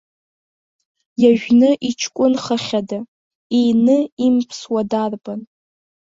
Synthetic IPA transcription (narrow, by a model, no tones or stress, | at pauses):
jaʒᶣnɨʔit͡ʃʰkʷʼʊnχəχʲada | ejnɨimpʰswadarban